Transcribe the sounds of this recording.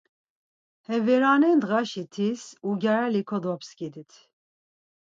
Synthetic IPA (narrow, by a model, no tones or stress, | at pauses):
hɛvɛɾanɛnd̪ɣaʃit̪ʰisuɡʲaɾalikʰɔd̪ɔpskid̪it̪ʰ